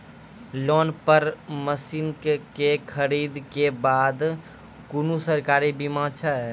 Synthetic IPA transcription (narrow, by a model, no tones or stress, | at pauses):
lɔːnpəɾməsinkkekʰəɾiːd̪kebaːd̪ | kunusəɾkaːɾibimãːt͡ʃʰəɦɛ